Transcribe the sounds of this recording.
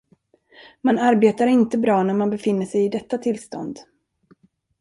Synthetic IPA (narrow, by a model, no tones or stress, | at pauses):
manaɾbeːt̪aɾɪnt̪əbɾɑːnæɾmanbɛfɪnːəʂɛjɪd̪ɛt̪ːat̪ʰɪlst̪ɔ̰nd̪